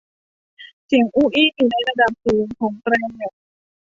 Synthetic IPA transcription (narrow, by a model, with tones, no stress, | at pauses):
si˨˩˦ŋʔuː˧˥˩ʔiː˥˨juː˨˩na˥˩jɾa˧da˨˩p̚suː˨˩˦nkʰɔː˩˦ŋpɾɛː˧ŋɲo˨˩k̚